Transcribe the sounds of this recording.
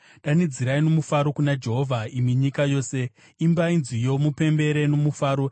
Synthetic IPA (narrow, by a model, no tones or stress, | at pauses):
ɗanid͡ziɾaino̞mufaɾo̞kunad͡ʒe̞ɦo̞vʱaimwiɲikajo̞ːse̞ | imbainzijo̞mupe̞mbe̞ɾe̞no̞mufaːɾo̞